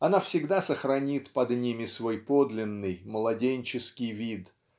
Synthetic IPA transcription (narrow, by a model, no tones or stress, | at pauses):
ɐnafsʲɪɡd̪asəxɾɐnʲit̪pɐd̪nʲimʲɪsvo̞jpo̞d̪lʲɪnːɨjmlˠɐdʲenʲt͡ɕɪskʲɪjvʲit̪